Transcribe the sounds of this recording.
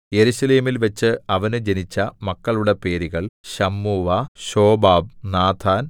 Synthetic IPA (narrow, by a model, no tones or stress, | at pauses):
je̞ɾuɕɐleːmilʋɐt͡ɕːɨɐʋɐnɨd͡ʑenit͡ɕːɐmɐkːɐɭuɽe̞pe̞ːɾiɣɐɭɕɐmːuːʋɐɕo̞ːbaːb̚naːt̪ʰaːn